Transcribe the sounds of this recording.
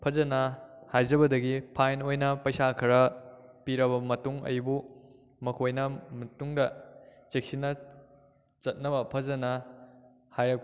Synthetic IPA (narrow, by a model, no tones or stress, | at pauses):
pʰɐd͡ʒɐnɐhajd͡ʒɐbɐdɐɡipʰajnojnɐpɐjsakʰɐɾɐpiɾɐβɐmɐtuŋɐ̰jbu | mɐkʰojnɐmɐtuŋdɐt͡ʃek̚sinːɐ | t͡ʃɐt̚nɐbɐpʰɐzɐnɐ | hajɾɐk̚p